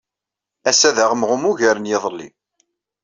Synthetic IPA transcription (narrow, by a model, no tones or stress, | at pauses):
æsæðæʁəmʁʊmuʝæɾənjɪðˤəlːḭ